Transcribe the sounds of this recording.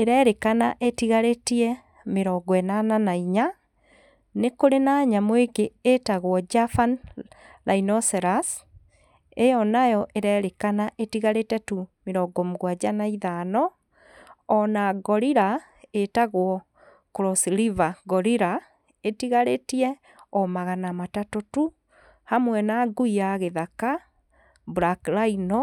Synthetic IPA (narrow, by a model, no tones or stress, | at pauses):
eɾɛɾekanaʔetiɣaɾetiɛ | meɾɔɡɔɛnananaiɲa | nekoɾenaɲamweɡeetaɣwɔd͡ʒafanlʔainɔsɛɾas | ejɔnajɔʔeɾɛɾekanaʔetiɣaɾetɛtumeɾɔɡɔmuɣwad͡ʒanaiðanɔ | ɔnaɡɔɾiɾa | etaɣwɔ | kɾɔslivaɡɔɾiɾa | etiɣaɾetiɛ | ɔmaɣanamatatotu | hamwɛnaɡuiaɣeðaka | buɾaklainɔ